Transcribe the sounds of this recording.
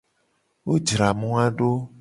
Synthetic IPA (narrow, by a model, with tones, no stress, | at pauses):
wo˦d͡ʒɾa˨mũ˦a˦ɖo˦